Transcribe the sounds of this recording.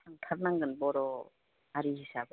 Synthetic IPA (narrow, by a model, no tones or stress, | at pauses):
aŋtʰaɾ̚naŋɡɯnbɔɾɔ | aɾihisaɡ